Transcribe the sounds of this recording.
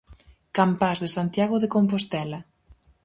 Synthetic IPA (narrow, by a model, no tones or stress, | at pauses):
kampazðesant̪jaɣoðekompost̪ɛla